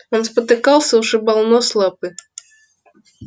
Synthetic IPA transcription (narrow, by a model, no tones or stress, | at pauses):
ɔnspɐt̪ɪkɑlˠsʲɐwʂɨbalˠnɔslˠap̚ɨ